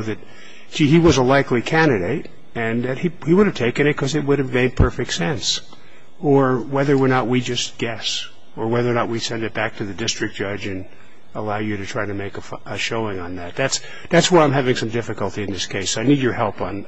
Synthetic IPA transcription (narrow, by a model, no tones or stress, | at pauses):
ʊðɨt̚ | siiwʌzəlaɪklikʰæ̃ndɨɾeɪɾ | ɨ̃nðɨt̚hihiwʊɾɨv̥tʰeɪkɨ̃ñɨt̚kʰʌzɨt̚wʊɾɨvmeɪd̚pʰɜ˞fɨk̚tsɛ̃ns | ə˞wɛðə˞wɪɹnət̚wid͡ʒʌstɡ̥ɛs | ə˞wɛðə˞nət̚wisɛ̃ndɨt̚b̥æk̚tʰɨðɨdɪstɹ̥ɨk̚d̥ʒ̥ʌd͡ʒɨ̃n | əlaʊjɨɾɨtʰɹ̥aɪɾɨmeɪkəfʔəʃoʊɪ̃ŋə̃nðæt̪̚ðæts | ðætswaɪãɪ̃mɦævɪ̃ŋsʌ̃mdɪfɨkəl̩ˠtiɨ̃nðɪskʰeɪsoaɪnid͡ʒə˞hɛlˠpn̩